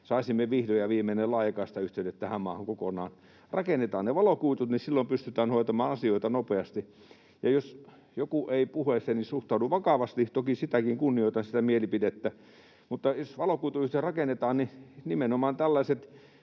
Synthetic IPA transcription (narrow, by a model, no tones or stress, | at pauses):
sɑˑisimːeʋihdojɑʋiːmenelɑˑikɑːsi̥t̪æyht̪eønet̪t̪æhæmmɑ̰ːhɑŋkokonɑ̰ːn | rɑkenːˑet̪ɑːnneʋɑlokuit̪ut̪nisilːompyst̪yt̪æːnhoˑit̪ɑmɑːnɑsioit̪ɑnopeɑst̪i | jɑjos | jokuʔeipuhesenisuht̪ɑuduʋɑkɑʋɑst̪it̪okisit̪ækiŋkunːioˑit̪ɑnsit̪æmielipidet̪ːæ | mut̪ːɑjosʋɑlokuːt̪uyht̪erɑkenːˑet̪ɑːnninimenomɑːnt̪ælːæset̪